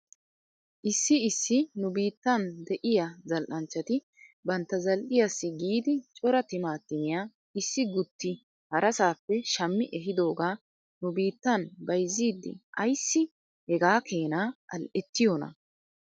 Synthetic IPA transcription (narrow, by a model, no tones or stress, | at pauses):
ʔɪsːɪɪsːɪnʊbiːt̪ːɐnd̪ɛʔɪjɐzɐlʔɐnt͡ʃːɐt̪ɪ | bɐnt̪ːɐzɐlʔɪjasːɪɡiːd̪ɪt͡ʃʼɔɾɐt̪ɪmaːt̪ːɪmɪja | ɪsːɪɡʊt̪ʰːɪ | hɐɾʔɐsaːpːɛʃɐmːɪʔɛɦɪd̪o̞ːɡaː | nʊbiːt̪ːɐnbɐjzːiːd̪ːɪ̰ʔɐjsːɪ | hɛɡaːkʰe̞ːnaːʔɐlʔɛt̪ːɪjonɐ̰